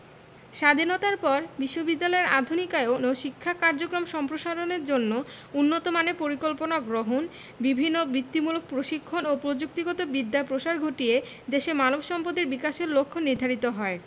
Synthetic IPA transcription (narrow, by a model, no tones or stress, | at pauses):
ʃad̪ʱinot̪aɾpɔɾbiʃːobid̪ːalɔeɾa̰d̪ʱunikaeooʃikʰːakaɾd͡ʑokɾomʃɔmpɾoʃaɾoneɾd͡ʑonːo | unːot̪omanepoɾikolponaɡɾoɦon | bibʱinːobɾit̪ːimulok̚pɾoʃikʰːonopɾod͡ʑuk̚t̪iɡɔt̪obid̪ːapɾoʃaɾɡʱoʈie | d̪eʃemanobʃɔmpod̪eɾbikaʃeɾlokʰːoniɾd̪ʱaɾit̪oɦɔe